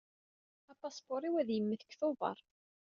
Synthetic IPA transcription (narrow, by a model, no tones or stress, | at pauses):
ɑpːɑspʊɾˤiwæðjəmːəθə̥kːθovɑ̰ɾˤ